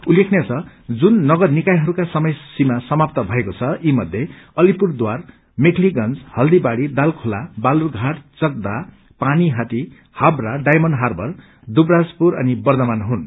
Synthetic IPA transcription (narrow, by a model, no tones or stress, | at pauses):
ulekʰnjet͡sʰʌ | d͡zunːʌɡʌrnikajɦʌɾukasʌmʌjsimasʌmap̚t̪ʌbʱʌekot͡sʰʌimʌd̪ʱjeʌlipurd̪war | mekʰliɡʌnt͡shʌld̪ibaɽid̪alkʰolabalurɡʱaʈt͡sʌk̚d̪a | paniɦat̪i | habraɖajmʌnɦarbʌr | d̪ubrad͡zpuɾʌnibʌrd̪ʌmanɦun